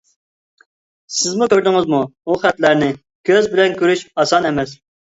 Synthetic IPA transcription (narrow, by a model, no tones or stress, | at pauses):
sɪzmukʲøɾd̪ɪŋɪzmuuχæt̪læɾnɪ | kʲʰøzbɪlɛnkʲyɾyʃɑsɑnɛmɛs